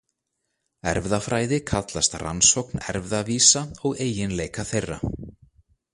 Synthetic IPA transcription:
ɛ̰ɾvðafɾaːjðɪkʰat̪last̪ra̰nsowknɛ̰ɾvðaviːsaɔɣeːjɪnleːjkaθejrːa̰

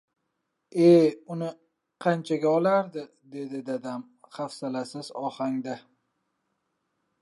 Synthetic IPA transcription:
eʊnɪ | qʰɑnt͡ʃʰaɡʲaɒlˠaɾd̪ɪ | d̪e̞d̪ɪd̪ad̪am | χafsalasɪzɒhaŋd̪a

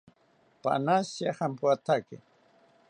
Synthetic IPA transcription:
pa̰nasjaχampuat̪akḛ

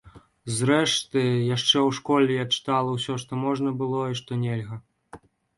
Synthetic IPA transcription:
zɾɛʂt̪ɨjaʂt͡ʂɛwʂkɔlʲɛjat͡ʂɨ̥t̪alˠɐwsʲɔʂt̪ɔmɔʐnɐbɨlˠɔiʂt̪ɔnʲɛlʲɣɐ

